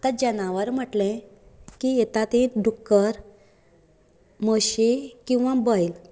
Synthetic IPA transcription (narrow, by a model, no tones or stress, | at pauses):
t̪ad͡ʑənaʋəɾm̤əʈlẽkiet̪at̪ẽɖukːəɾ | moɕekĩw̃ʋãbəjl